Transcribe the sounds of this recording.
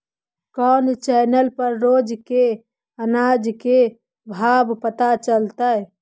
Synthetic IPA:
kɔnt͡ʃɛnəlpəɾɾod͡ʒke | ənad͡ʒke | bʱabpət̪at͡ʃəlt̪əj

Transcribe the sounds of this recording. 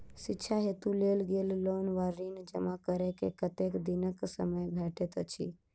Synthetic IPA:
sɪtːʃʰaɦet̪ulelɡeːllonʋaɾind͡ʒəmakəɾekḛkət̪ekd̪inəksə̰məjbʱɛʈet̪ət͡ʃʰḭ

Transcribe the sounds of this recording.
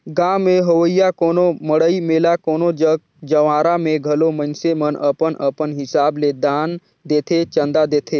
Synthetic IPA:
ɡãːmːẽɦəwəɪjakoːnoməɽəimeːlakoːnod͡ʒəɡ̚ | d͡ʒəʋãːɾamẽɡʱɐlomə̃nsemənəpənʔəpənɦɪsaːbled̪aːn | d̪eːt̪ʰet͡ʃə̃nd̪ad̪eːt̪ʰeː

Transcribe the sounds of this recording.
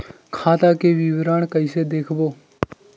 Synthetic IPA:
kʰaːt̪akeʋɪʋɾaːɳkəɪsed̪eːkʰboː

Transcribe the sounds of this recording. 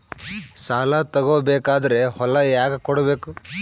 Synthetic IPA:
saːlat̪ɐɡoːbeːkaːd̪ɐɾe̞hɔlɐjaːɡɐkɔɽɐbeːku

